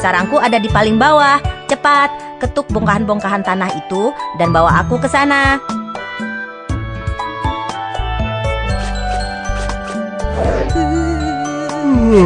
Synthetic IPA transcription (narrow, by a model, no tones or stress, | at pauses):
saɾaŋkuadadipalɪŋbawaht͡ʃəpat̪̚ | kət̪ʊk̚bɔŋkaɦanbɔŋkaɦant̪anaɦit̪udanbawaɦakukəsana